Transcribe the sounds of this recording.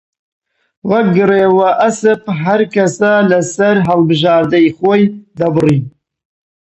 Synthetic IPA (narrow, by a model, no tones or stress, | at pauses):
wɐɡɨreːwɐʔɐsɨpɦɐɾkɐsɐlɐsɐɾɦɐlˠbɨʒɑːɾd̪ɨiχoːjd̪ɐbɨriː